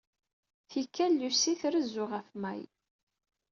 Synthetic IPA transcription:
θikːælːusiθɾəzːʊʁəfmæ̰j

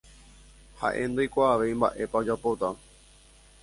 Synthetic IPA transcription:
ha̰ʔẽ̞̰nd̪ojkʷaːʋe̞jmba̰ʔe̞paod͡ʒapo̞t̪a

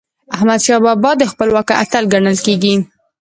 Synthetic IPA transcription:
ahmad̪ʃɑbɑbɑd̪əxpəlwɑkəʔa̰t̪alɡaɳəlkeɡi

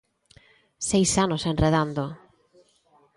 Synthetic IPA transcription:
sejsanosenreð̞and̪o

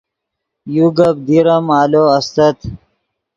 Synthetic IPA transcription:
juɡɐb̚d̪iɾɐmaːloɐst̪ɐt̪

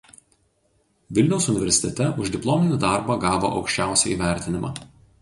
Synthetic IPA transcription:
ʋʲɪlʲnʲɛʊsʊnʲɪʋʲɛɾsʲɪ̥t̪ʲɛt̪ʲɛʔʊʒʲd̪ʲɪplˠɔmʲɪnʲɪd̪ɑˑɾbɑɡɑːʋo̰ːʔɒʊkʃʲt͡ʃʲæˑʊsʲɛiːʋʲæˑɾʲt̪ʲɪnʲɪmɑ̰ː

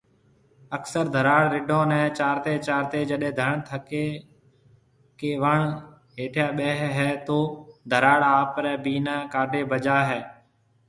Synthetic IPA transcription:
əksəɾd̪ʱəɾaːɽɾɪɖõːnɛ̃ːt͡ʃaːɾt̪eːt͡ʃaːɾt̪eːd͡ʒəɗẽːd̪ʱəɳt̪ʰəkeː | keːʋəɳ | ɦeːʈʰjaːɓɛːɦɦɛːt̪oːd̪ʱəɾaːɽaːpɾɛ̃ːbiːnaːkaːɖeːbəd͡ʒaːɦɛː

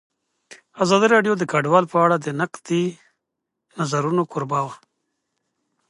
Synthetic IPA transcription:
azɑd̪iɾɑɖjod̪əkaɖwɑlpəaɽad̪ənaqd̪i | nazaɾunokʊɾbawa

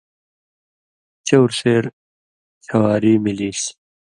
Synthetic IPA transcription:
t͡ɕewɾseːɾ | t͡ɕʰɐwaːɾiːmiliːɕ

